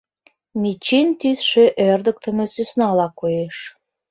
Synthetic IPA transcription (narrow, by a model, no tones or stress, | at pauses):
mit͡ɕint̪ysʃøʔørd̪ə̆k̚t̪ə̆mĕsysnɑlɑkojeʃ